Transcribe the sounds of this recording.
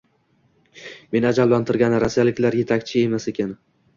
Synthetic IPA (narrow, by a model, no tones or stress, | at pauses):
me̞nad͡ʒallant̪ʰɪɾɡʲanɪɾasijalɪkʲlaɾje̞t̪ʰakʲt͡ʃʰɪe̞mase̞kʲan